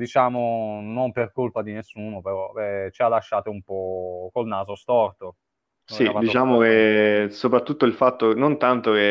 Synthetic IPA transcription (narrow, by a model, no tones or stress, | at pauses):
d̪it͡ʃaːmonomperkolpad̪inesːuːnopeɾɔɛt͡ʃialːaʃːaːt̪oumpɔkolnaːzost̪ɔrt̪o | sid̪it͡ʃaːmok̟esopɾat̪ːut̪ːoilfat̪ːonont̪ant̪oke